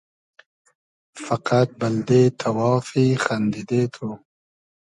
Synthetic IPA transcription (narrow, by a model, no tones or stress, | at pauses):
fɐqat̪̚bɐld̪et̪ʰɐwɑːfixand̪id̪et̪ʰu